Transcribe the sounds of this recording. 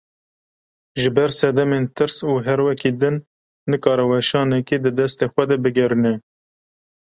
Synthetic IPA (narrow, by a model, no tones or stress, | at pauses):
ʒɨbɛɾsɛd̪ɛment̪ʰɨɾsuːɦɛɾwɛkid̪ɨnː | ɨkɑːɾɛwɛʃɑːnɛkid̪ɨd̪ɛst̪eːxʷɛd̪ɛbɨɡɛɾɨnɛ